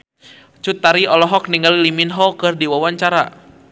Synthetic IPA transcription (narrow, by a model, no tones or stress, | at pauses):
t͡ʃut̪ːaɾiɔlɔɦɔk̚niŋɡaliliminɦɔkɨrdiwawaɲt͡ʃaɾa